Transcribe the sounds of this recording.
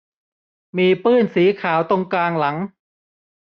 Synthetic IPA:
miː˧pɯː˥˩nsiː˩˦kʰaː˩˦wt̪o˧ŋklaː˧ŋla˩˦ŋ

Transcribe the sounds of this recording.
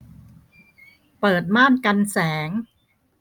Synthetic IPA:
pɤː˨˩t̪̚maː˥˩nka˧nsɛː˩˦ŋ

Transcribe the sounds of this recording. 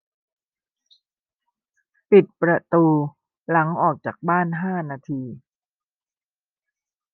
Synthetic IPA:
pi˨˩t̪̚pɾa˧t̪uː˧ | la˩˦ŋʔɔː˨˩k̚t͡ɕaː˨˩k̚baː˥˩nɦaː˥˩naː˧t̪ʰiː˧

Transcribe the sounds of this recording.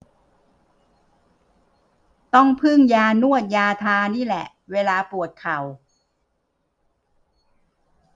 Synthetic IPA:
t̪ɔ˥˩ŋpʰɯ˥˩ŋjaː˧nu˥˩ət̪̚jaː˧t̪ʰaː˧niː˥˩lɛ̰˨˩ʔweː˧laː˧pu˨˩ət̪̚kʰa˨˩w

